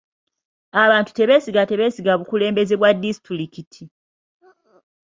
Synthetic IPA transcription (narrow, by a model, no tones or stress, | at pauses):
aβaːntu̥te̞βe̞ːsiɡate̞βe̞ːsiɡaβukule̞ːmbe̞ze̞βwadːisi̥tulikitʰi